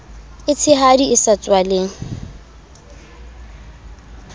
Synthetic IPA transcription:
ɪt͡sʰɪɦadiɪsat͡sʼwalɪŋ̩

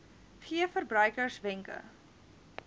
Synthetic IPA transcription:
χiəfərbrœjkərsvɛŋkə̰

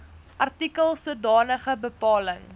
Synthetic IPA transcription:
ʔɐrtikəlˠsuədɑːnəχəbəpɑːləŋ

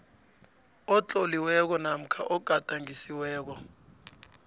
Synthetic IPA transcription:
ɔt͡ɬʼɔliwɛk̬ɔnam̩kʰaʔɔɡ̥ʱatʼaŋisiwɛːk̬ɔ

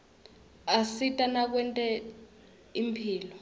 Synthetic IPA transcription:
asitʼanak̬wɛntʼɛ | impʰiːlɔ

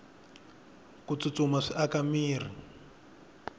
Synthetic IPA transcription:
kut͡sut͡sumaʂiʔakamiːr̤i

